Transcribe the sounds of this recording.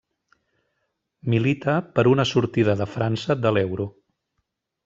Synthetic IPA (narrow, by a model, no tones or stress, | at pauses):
milit̪əpəɾunəsuɾt̪iðəðəfɾansəðəlɛwɾu